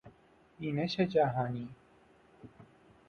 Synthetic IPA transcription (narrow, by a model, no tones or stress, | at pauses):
ineɕet͡ɕaːɦaːni